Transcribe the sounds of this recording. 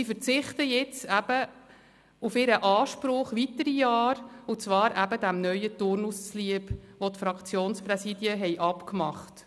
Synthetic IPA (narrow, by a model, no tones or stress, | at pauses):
ifəɾt͡sɪχtəjɪt͡sæb̥ə | ufɪɾəʔɑːʃpɾʊχʋitəɾijɑːɾut͡svɑːɾʔæbədæmnœʏətʊɾnust͡sliəpʋotfɾɑkt͡sjoːnspɾɛsiːdjəɦɛɪʔɑpkmɑχt